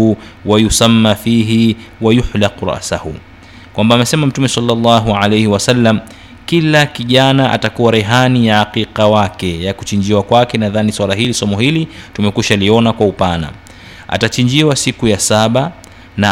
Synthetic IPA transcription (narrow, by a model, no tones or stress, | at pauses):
uwajusamːafiːɦiwajuħlaquɾa̰ʔsahṵ | kwambaːmɛsɛmam̩tumɛsalːɑlːɑɦuʕalejhiwasalːam | kilakiʄanaʔa̰takuwaɾɛɦanijaaqiqawakɛjakut͡ʃiɲd͡ʒiwakwakɛnaðaniswalaɦilisɔmɔhilitumɛkuʃaliɔnakwaupana̰ | a̰tat͡ʃiɲd͡ʒiwasikujasaɓa | na